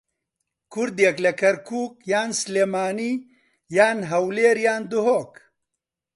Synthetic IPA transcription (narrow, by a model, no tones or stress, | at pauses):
kʰuɾd̪jɐklɐkɐɾkʰuːkjaːnsleːmaːniː | jaːnɦɐwleːɾjaːnd̪uɦoːk